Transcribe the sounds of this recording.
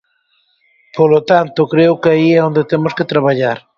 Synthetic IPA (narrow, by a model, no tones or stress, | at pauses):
polot̪ant̪okɾeʊkɪaiɛond̪et̪emosket̪ɾaβ̞aʎaɾ